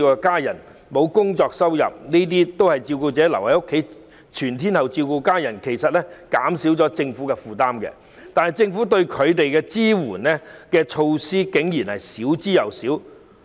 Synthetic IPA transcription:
kɔ˧kaː˥jɐ˨˩n | mo˨˧wkʊ˥ŋt͡sɔː˧k̚sɐ˥wjɐ̰˨p̚niː˥t̪̬iː˥t̪o˥whɐ˨jt͡siː˧wkuː˧t͡sɛː˨˥lɐ˨˩whɐ˨˧jo˥kʰːe˨˥j | t͡ʃʰyː˨˩nt̪ʰiː˥nhɐ˨wt͡si˧wkuː˧kaː˥jɐ˨˩nkʰe˨˩jsɐ˨t̚lɛ˥kaː˨˥msi˨˥wt͡sɔː˨˥t͡sɪ˧ŋfuː˨˥kɛ˧fuː˨t̪aː˥mkɛ̰˧ | t̪aː˨nhɐ˨jt͡sɪ˧ŋfu˨˥t̪ɵ˧ɥkʰɵ˨˧ɥt̪e˨jkɛː˧t͡siː˥wuː˨˩nlɛ˥kɛː˧t͡ʃʰo˧wsiː˥kɪ˨˥ŋjiː˨˩nhɐ˨jsiː˨˥wt͡siː˥jɐ˨˩wsiː˨˥w

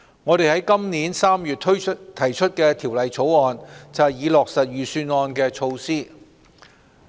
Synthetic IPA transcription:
ŋɔː˨˧ɾe˨jhɐ˨˥jkɐ˥mniː˨˥nsaː˥mjyː˨t̚t̪ʰɵ˥t̪ʰɐ˨˩jt͡ʃʰɵ˥t̚kɛː˧t̪ʰiː˨˩wlɐ˨jt͡sʰo˨˥wɔː˨˧nt͡sɐ˨˩hɐ˨˩jiː˨˧lɔː˨k̚sɐ˨t̚ɥyː˨˩syː˧nɔː˧nkɛː˧t͡ʃʰo˧wsiː˥

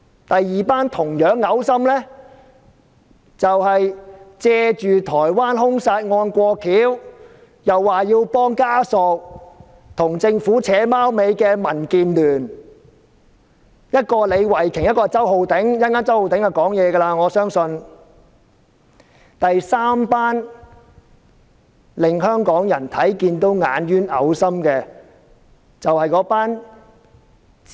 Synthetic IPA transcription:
t̪ɐ˨jːiː˨paː˥nt̪ʰʊ˨˩ŋjœː˨˥ŋːɐ˨˥wsɐ˥mlɛː˥ | t͡sɐ˨whɐ˨jt͡sɛː˧t͡ʃyː˨t̪ʰɔː˨˩jwaː˥nɦʊ˥ŋsaː˧t̚ŋɔː˧nkʷɔː˧kʰiː˨˥w | jɐ˨wːaː˨jiː˧wpɔː˥ŋkaː˥sɔ˨k̚ | t̪ʰʊ˨˩ŋt͡sɪ˧ŋfuː˨˥t͡sʰɛː˨˥maː˥wme˨˧jkɛː˧mɐ˨˩nkiː˨nlyː˨˩n | jɐ˥t̚kɔː˧le˨˧jwɐ˨˩jkʰɪ˨˩ŋjɐ˥t̚kɔː˧t͡sɐ˥who˨˧wt̪ɪ˨˥ŋjɐ˥nkaː˥nt͡sɐ˥who˨wt̪ɪ˨˥ŋɐ˨˧wkɔː˨˥ŋjɛː˨˧ɡɐ˧laː˧ŋɔː˨˧sœː˥ŋsɵ˧n | t̪ɐ˨jsaː˥mpaː˥n | lɪ˨ŋhœː˥ŋkɔː˨˥ŋjɐ˨˩nt̪ʰɐ˨˥jkiː˧nt̪o˥wŋa̰ː˨˧njyː˥nɐ˨˧wsɐ˥mkɛː˧ | t͡sɐ˨whɐ˨jkɔː˨˥paː˥n

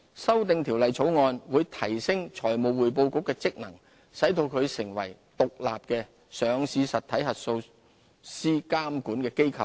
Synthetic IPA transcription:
sɐ˥wt̪ɪ˧ŋt̪ʰiː˨˩wlɐ˨jt͡sʰo˨˥wŋɔː˧nwuː˨˧jt̪ʰɐ˨˩jsɪ˥ŋt͡ʃʰɔː˨˩jmo˨wwuː˨jp̬o˧wkʊ˧˥kːɛː˧t͡sɪ˥k̚nɐ˨˩ŋ | sɐ˨˥jt̪o˧wkʰɵ˨˧ɥsɪ˨˩ŋwɐ̰˨˩jt̪ʊ˨k̚la̰ː˨p̚kɛː˧ | sœː˨˧ŋsiː˨˧sɐ˨t̪ʰɐ˨˥jɦɐ˨t̚so˧w | siː˥kaː˥mkuː˨˥nkɛː˧ke˥jkʰɐ˨˧w

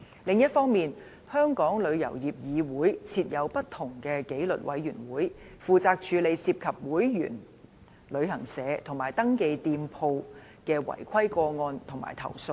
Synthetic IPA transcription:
lɪ˨˧ŋjɐ˥t̚fɔː˥ŋmiː˨n | hœː˥ŋkɔː˨˥ŋlɵ˨˧ɥjɐ̰˨˩wjiː˨˩p̚jiː˨˧wuː˨˥jt͡sʰiː˧t̚jɐ˨˧wpɐ˥t̚t̪ʰːʊ˨˩ŋkɛː˧ke˨˥jlɵ̰˨t̚wɐ˨˧˥jɥyː˨˩nwuː˨˥j | fuː˨˧t͡saː˧k̚t͡ʃʰyː˨˧le˨˧jsiː˧p̚kʰɐ˨p̚wuː˨˥jjy̰ː˨˩n | lɵ˨˧ɥɦɐ˨˩ŋsɛː˨˧t̪ʰʊ˨˩ŋmaː˨˩jt̪ɐ˥ŋke˧jt̪iː˧mpʰo˧w | kɛː˧wɐ̰˨˩jkʷʰɐ˥jkɔː˧ŋɔː˧nt̪ʰʊ˨˩ŋma̰ː˨˩jt̪ʰɐ̰˨˩wso˧w

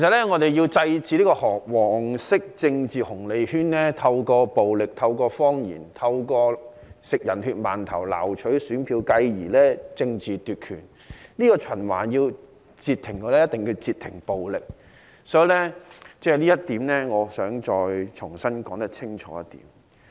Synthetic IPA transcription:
e˨˩sɐ˨t̚lɛː˥ŋɔː˨˧t̪e˨˩jji˧wt͡sɐ˧jt͡siː˨liː˥kɔː˧hɔː˨˩k̚wɔː˨˩ŋsɪ˥k̚t͡sɪ˧ŋt͡siː˨hʊ˨˩ŋle˨˧jhyː˥nlɛː˥t̪ʰɐ˧wkɔː˧po˨wlɪ˨k̚t̪ʰɐ˧wkɔː˧fɔː˥ŋjḭː˨˩nt̪ʰɐ˧wkɔː˧ | sɪ˨k̚jɐ˨˩nhyː˧t̚maː˨˩nt̪ʰɐ˨˩wla̰ː˨˩wt͡ʃʰɵ˨˥ɥsyː˨˥npʰiː˧wkɐ˧jjiː˨˩lɛː˥t͡sɪ˧ŋt͡siː˨t̪yː˨t̚kʰyː˨˩n | liː˥kɔː˧t͡ʃʰɐ˨˩nwa̰ː˨˩njiː˧w | t͡siː˧t̪ʰːɪ˨˩ŋkɔː˧lɛː˥jɐ˥t̪ɪ˨ŋji˧wt͡siː˨˧t̪ʰɪ̰˨˩ŋpo˨wlɪ˨k̚ | sɔː˨˥jlɛː˥t͡sɛː˥˩liː˥jɐ˥t̚t̪iː˨˥mnɛː˥ŋɔː˨˧sœː˨˥ŋt͡ʃɔː˧jt͡ʃʰʊ˨˩ŋsɐ˥nkɔː˨˥ŋt̪ɐ˥k̚t͡sʰɪ˥ŋt͡ʃʰɔ̰ː˨˥jɐ˥t̪ḭː˨˥m

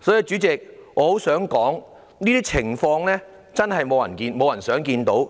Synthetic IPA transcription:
sɔː˨˥ji˧t͡ʃyː˨˥t͡sɪ˨k̚ŋɔː˨˧ho˨˥wsœː˨˥ŋkɔː˨˥ŋ | niː˥t̪iː˥t͡sʰɪ˨˩ŋfɔː˧ŋlɛː˥ | t͡sɐ˥nɦɐ˨jmo˨˧wjɐ˨˩nkiː˧nmo˨˧wjɐ˨˩nsœː˨˥ŋkiː˧nt̪o˨˥w

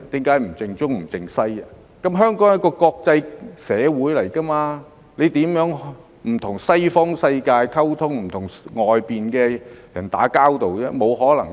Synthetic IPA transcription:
t̪iː˨˥mkaː˨˥jm̩˨˩t͡sɪ˧ŋt͡sʊ˥k̚m̩˨˩t͡sɪ˧ŋsɐ˥j | kɐ˨˥mɦœː˥ŋkɔː˨˥ŋjɐ˥kːɔː˧kɔː˧k̚t͡sɐ˧jsɛː˨˧wuː˨˥jlɐ˨˩jkɐ˥maː˧ | le˨˧jt̪iː˨˥mjœː˨˥ŋ | m̩˨˩t̪ʰʊ˨˩ŋsɐ˥jfɔː˥ŋsɐ˧jkaː˧jkʰɐ˥wt̪ʰʊ˥ŋm̩˨˩t̪ʰʊ˨˩ŋŋɔː˨jpiː˨nkɛː˧jɐ˨˩nt̪a̰ː˨˥kaː˥wt̪o˨wɛ˥mo˨˧wɦɔː˨˥lɐ˨˩ŋ

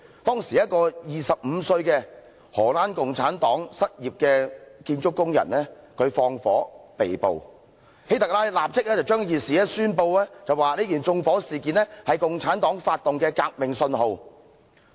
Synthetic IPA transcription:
t̪ɔː˥ŋsiː˨˩jɐ˥t̚kɔː˧jiː˨˩sɐ˨p̚m̩ː˨˧sɵ˧ɥkɛː˧ | hɔː˨˩laː˥nkʊ˨ŋt͡sʰaː˨˥nt̪ɔː˨˥ŋsɐ˥t̚jiː˨p̚kɛː˧kiː˧nt͡ʃʊ˥kːʊ˥ŋjɐ̰˨˩nɛː˥kʰɵ˨˧ɥfɔː˧ŋfɔ̰ː˨˥pe˨jpo̰˨w | he˨˥jt̪ɐ˨k̚laː˥jlaː˨p̚t͡sɪ˥k̚lɛ˥t͡sɐ˨wt͡ʃœː˥ŋjiː˨tsiː˨ɛː˥syː˥npo˧wlɛː˥t͡sɐ˨waː˨˩liː˥kiː˨˩nt͡sʊ˧ŋfɔː˨˥siː˨˩kiː˨nlɛ˥hɐ˨jkʊ˨ŋt͡sʰaː˨˥nt̪ɔː˨˥ŋfaː˧t̚t̪ʊ˨ŋkɛː˧kaː˧k̚mɪ˨ŋsɵ˧nɦo˨˧w

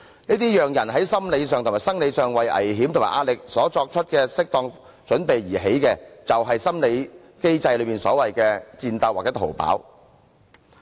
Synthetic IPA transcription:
niː˥t̪iː˥jœː˨ŋjɐ˨˩nɦɐ˨˥jsɐ˥mle˨˧jsœː˨ŋt̪ʰmaː˨jsɐ˥ŋle˨˧jsœː˨ŋwɐ˨jʔɐ̰˨˩jɦi˨˥mt̪o˨˩maː˨˩ʔaː˧t̚lɪ˨k̚sɔː˨˥t͡sɔː˧k̚t͡ʃʰɵ˥t̚kɛː˧sɪ˥k̚t̪ɔː˧ŋ | t͡ʃɵ˨˥npe˨jjiː˨˩ɦe˨˥jkɛː˧t͡sɐ˨wɦɐ˨jsɐ˥mle˨˧j | ke˥jt͡sɐ˧jlɵ˨˧piː˨nsɔ̰ː˨˥wɐ˨jkɛː˧t͡siː˧nt̪ɐ˧waː˨k̚t͡sɛ˨˥t̪ʰo̰˨˩wpa̰ː˨˥w

